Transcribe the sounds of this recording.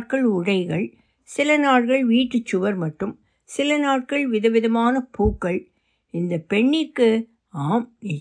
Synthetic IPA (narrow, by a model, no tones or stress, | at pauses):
ʈkɐɭʊɽɐɪɣɐɭ | sɪlɐnaːɽɣɐɭʋiːʈːɯt͡ʃːʊʋɐɾmɐʈːɯm | sɪlɐnaːʈ̚kɐɭʋɪðɐʋɪðɐmaːnɐpuːkːɐɭ | ɪnd̪ɐpɛɳːɪkːɯ | aːm